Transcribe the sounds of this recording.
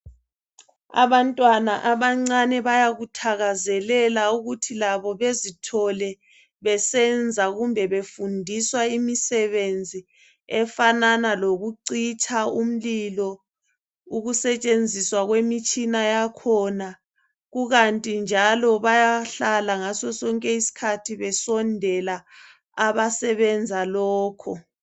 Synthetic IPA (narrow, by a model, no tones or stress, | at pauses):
a̰βantʼwanaʔaβaŋ͡ǀanɛβajaɣutʰaɣazɛlɛlauɣutʰilaβɔβezitʰɔlɛ | βɛsɛnd͡zʱaɣumbʱɛβefundʱiswaimisɛβend͡zʱi | ɛfananaloɣuǀit͡ʃʰʼaum̩lilɔ | uɣusɛt͡ʃʼend͡zʱiswaɣwemit͡ʃʼinajakʰɔna | ɣuɣantʼind͡ʒʱalɔβajaɬalaŋasɔsɔŋkʼɛisi̥kʰatʰiβɛsɔndʱɛla | aβasɛβɛnd͡zʱalɔːkʰɔ